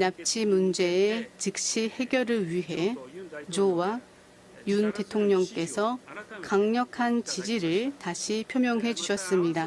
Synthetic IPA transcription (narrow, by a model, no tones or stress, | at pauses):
nap̚t͡ɕʰimund͡ʑe̞ːt͡ɕɯk̚ɕ͈ihe̞ɡjʌɾɯɭɥiɦe̞t͡ɕowa | junte̞tʰoŋɲʌŋk͈e̞sʰʌkaŋɲʌkʰant͡ɕid͡ʑiɾɯɭtaɕʰipʰjʌmjʌŋɦe̞d͡ʑuɕʰʌs͈ɯmɲida